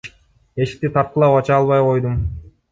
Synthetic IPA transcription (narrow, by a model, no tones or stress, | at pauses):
e̞ʃi̥k̚t̪it̪ʰɑɾt̪̚qəlˠɑpɑt͡ʃɑːlˠβɑjqʰo̞jd̪um